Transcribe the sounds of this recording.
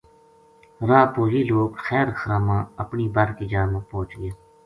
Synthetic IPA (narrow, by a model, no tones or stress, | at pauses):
ɾaːpoːɦiːloːkxɛːɾxəɾaːmãːəpniːbəɾkiːd͡ʒaːmãːpõːt͡ʃɡɪjaː